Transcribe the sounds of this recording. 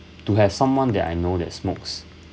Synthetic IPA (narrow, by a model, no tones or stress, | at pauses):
tuɦɛvsãmwãndɛ̰ta̰jnodɛ̰tsmoks